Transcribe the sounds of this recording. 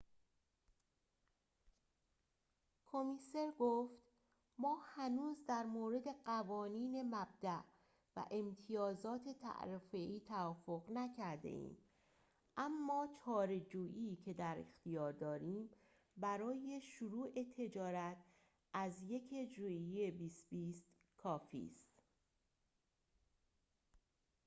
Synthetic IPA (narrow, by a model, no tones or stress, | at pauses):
kʰo̞mise̞ɾɡoft̪ | mɒːhænuːzd̪æɾmoːɾe̞d̪e̞ɢævɒːniːne̞mæb̚d̪æʔ | væ̰ʔe̞mt̪ʰijɒːzɒːt̪ʰe̞t̪ʰæ̰ʔɾefeʔiːt̪ʰævɒːfo̞ɣnæcʰæɾd̪ḛʔḭːm | ʔæmːɒːt͡ʃʰɒːɾe̞d͡ʒuːʔiːcʰe̞d̪æɾḛxt̪ijɒːɾd̪ɒːɾiːm | bæɾɒːje̞ʃuɾuːʔe̞t̪ʰe̞d͡ʒɒːɾæt̪ʰ | ʔæzje̞cʰed͡ʒuiebiːst̪biːst̪ | kʰɒːfḭːst̪